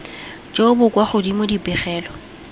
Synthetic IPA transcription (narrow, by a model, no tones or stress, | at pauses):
d͡ʒʼobʊkʼwaχʊdimodipɛχɛːlɔ